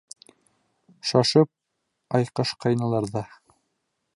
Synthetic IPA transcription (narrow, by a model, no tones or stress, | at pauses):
ʃɑʃɤp̚ | ɑjqɤʃqɑjnɑlˠɑɾðɑ